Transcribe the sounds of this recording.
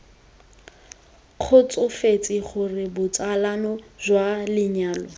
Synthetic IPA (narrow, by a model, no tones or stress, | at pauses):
k͡xʰʊt͡sʼʊfet͡sʼɪχʰʊrɪbʊt͡sʼalanɔzwalɪɲaːlɔ